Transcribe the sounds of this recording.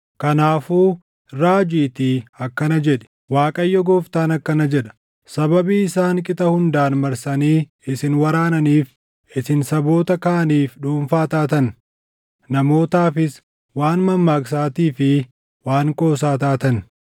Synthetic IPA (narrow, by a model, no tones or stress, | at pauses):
kɐnaːfuː | ɾaːd͡ʒiːt̪iɐkːɐnɐd͡ʒɛᶑɛ̥ | waːkʼɐjːɔɡoːft̪aːnɐkːɐnɐd͡ʒɛᶑɐ̥ | sɐbɐbiːɪsaːŋkʼɪt̪ɐhʊnd̪aːnmɐɾsɐniː | ɪsɪnwɐɾaːnɐniːf | ɪsɪnsɐbo̞ːt̪ɐkaːɐniːfᶑuːɱfaːt̪aːt̪ɐn | nɐmo̞ːt̪aːfɪs | waːnmɐmːaːks̬aːt̪iːfɪ | waːŋkʼo̞ːs̬aːt̪aːt̪ɐn